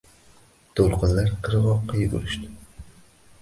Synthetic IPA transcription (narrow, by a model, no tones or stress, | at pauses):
t̪ʰolˠqɨnlaɾqʰɨɾɨʁɒqːɑjʊɡṵɾɪʃt̪ɪ